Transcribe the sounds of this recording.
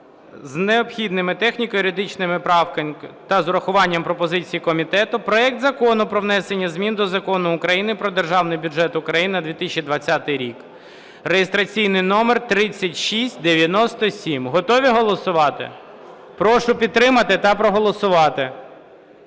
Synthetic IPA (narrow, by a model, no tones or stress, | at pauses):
zneɔpxʲid̪nɪmɪt̪ɛxnʲikɔjʊɾʲɪd̪ɪt͡ʃnɪmɪpɾɑwkɐt̪ɐzʊɾɐxʊʋɑnʲːɐmpɾɔpɔzɪt͡sʲijikɔmʲit̪ɛt̪ʊpɾɔɛk̚t̪zɐkɔnʊpɾɔʋn̪ɛsenʲːɐzʲmʲind̪ɔzɐkɔnʊːkɾɐjinɪpɾɔd̪erʒɑwnɪjbʲʊʒɛt̪ʊkɾɐjinnɐd̪ʋʲit̪ɪsʲt͡ʃʲid̪ʋɐt͡sʲːat̪ɪjɾʲik | rejest̪ɾɐt͡sʲijnɪjnɔmert̪ɾɪt͡sʲːɐtʲʃisʲtʲd̪eʋʲjɐnɔst̪ɔsʲimɦɔt̪ɔʋʲiɦɔlˠɔsʊʋɑt̪ɪ̰ | pɾɔʃʊpʲid̪̚t̪ːɾɪmɐt̪ɪt̪ɐpɾɔɦɔlˠɔsʊʋɑt̪ɪ